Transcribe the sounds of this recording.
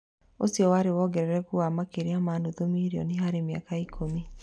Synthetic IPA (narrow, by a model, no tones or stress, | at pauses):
osiɔwaɾewɔɡɛɾɛɾɛkuamakeɾeamandoðomiɾiɔ̰niɦaɾemea̰kaikʰomi